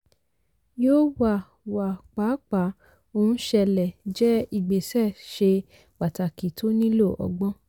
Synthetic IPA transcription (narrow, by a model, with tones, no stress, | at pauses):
joː˦wa˦˨ | wa˨k͡pa˨˦k͡pa˨˦ | o˧nũ˦ʃɛ˧lɛ˨d͡ʒɛ˦i˦˨ɡ͡be˨sɛ˦˨ʃe˧ | k͡pa˨ta˨ki˨to˦nĩ˦lo˦˨ʔɔ̰˨ɡ͡bɔ̃˦